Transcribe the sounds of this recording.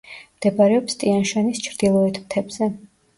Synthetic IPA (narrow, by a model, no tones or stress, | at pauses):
md̪̥ɛbaɾɛɔpst̪ʼianʃanist͡ʃʰɾd̪̥ilˠɔɛt̪ʰmt̪ʰɛbzɛ